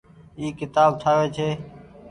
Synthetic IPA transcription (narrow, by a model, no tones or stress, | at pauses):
iːkɪt̪aːb̚t̪ʰaːʋeːt͡ʃʰeː